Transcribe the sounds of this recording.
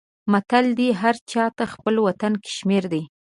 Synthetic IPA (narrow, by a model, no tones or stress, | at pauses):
mat̪ald̪iɦaɾt͡ʃɑt̪axpəlwat̪anke̥ʃmeɾd̪ej